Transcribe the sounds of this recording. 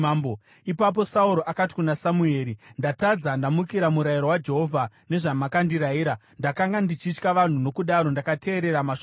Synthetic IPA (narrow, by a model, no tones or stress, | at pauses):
bo | ipap̬o̞sauɾo̞ʔakati̥kunasamue̞ːɾindatad͡zandamukiɾamuɾaiɾowad͡ʒe̞ɦo̞vʱa | ne̞ʐamakandiɾaiːɾa | ndakaŋɡandit͡ʃit͡ʃkaʋan̤uno̞kuɗaɾo̞ndakate̞ːɾe̞ɾamaʃo